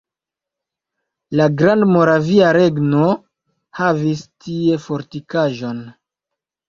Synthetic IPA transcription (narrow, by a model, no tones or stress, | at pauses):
laɡɾandmo̞ɾaviaɾe̞ɡno̞ | havistʰie̞fo̞ɾtikaʒo̞n